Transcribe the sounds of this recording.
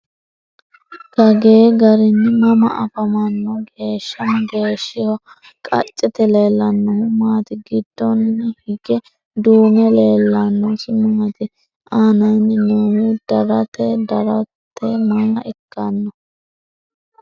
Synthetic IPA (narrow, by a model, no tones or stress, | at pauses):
kɐɡeːɡɐɾɪnːɪmɐmɐʔɐfɐmɐnːɔɡe̞ːʃːɐmɐɡe̞ːʃːɪhɔ | kʼɐ̰t͡ʃʼːɪt̪ɛle̞ːlːɐnːɔhʊmaːt̪ɪɡɪd̪ːɔnːɛhɪɡɛ | d̪uːmɛleːlːɐnːɔsʊmaːɐt̪ɪ | ʔaːnɐnɪnohʊd̪̥ɐɾɐt̪ɛd̪ɐɾɐt̪ːɛmaɪkːɐnːɔ